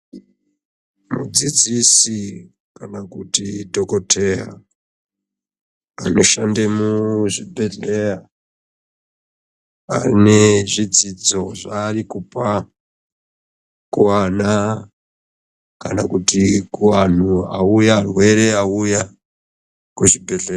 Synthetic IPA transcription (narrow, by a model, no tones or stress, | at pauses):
mṵd͡zid͡zisi | kanakutidʱokotʰea | anoʃande̞muʐibʱeɮeja | a̰neʐid͡zid͡zo̞ʐaːrikupa | kuwana | kanakutikuwan̤uaujarwe̞ɾe̞auja | kuʐibʱeɮe